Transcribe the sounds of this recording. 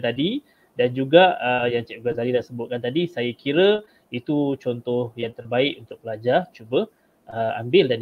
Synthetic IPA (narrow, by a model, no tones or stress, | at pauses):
t̪adi | dand͡ʒuɡaəjaŋt͡ʃɛʔɡazalidasəbʊt̪̚kant̪adisajakiɾə | it̪ut͡ʃɔnt̪ɔhjaŋt̪ərbaɪkunt̪ʊk̚pəlad͡ʒat͡ʃubə | əa̰mbɪldan